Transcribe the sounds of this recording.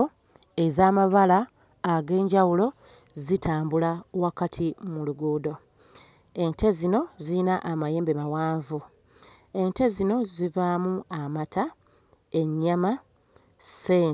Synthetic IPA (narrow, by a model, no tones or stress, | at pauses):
e̞zaːmaβalaː | ɡe̞ːɲɟawulo̞ | zitʰaːmbulawakatʰimuluɡuːdo̞ | e̞ntʰe̞zino̞ziinaʔamaje̞ːmbemawaːɱvu | e̞nte̞zino̞zivamuamata | e̞ɲːama | seː